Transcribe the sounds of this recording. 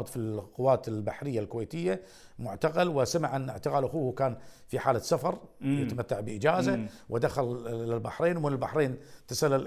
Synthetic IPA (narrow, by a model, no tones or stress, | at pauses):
d̪ˤfilqʊwːaːt̪ɪlbaħɾɪjːalkʊweːt̪ɪjːa | mʊʕt̪aqalwɪsamɪʕʔnʔɪ̰ʕt̪ɪqaːlʔaxuːkaːnfiħaːlasafɑɾˤjat̪amat̪ːaʕbɪʔɪd͡ʒaːzawʔɪd̪axalːɪlbaħɾeːnwmɪnɪlbaħɾeːnt̪asalːal